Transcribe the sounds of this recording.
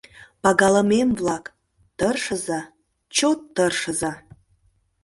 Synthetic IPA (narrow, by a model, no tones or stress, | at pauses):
pɑɡɑləmemvlɑk | t̪ərʃəzɑ | t͡ɕot̪ːərʃə̆zɑ